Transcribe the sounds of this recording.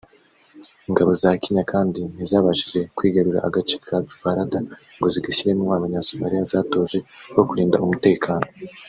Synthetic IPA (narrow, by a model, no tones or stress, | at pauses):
iŋɡaβo̞zakiɲakʰaːndin̥izaːβaʒiʒe̞kwiːɡaɾuɾa̰ʔaɡat͡ʃe̥kʰatu̥paɾada | ŋɡo̞ziɡaɕiɾenuwaːmaɲasumaɾijazaːto̞ːʒe̞wo̞kuɾiːnda̰umute̞ːkʰaːno̞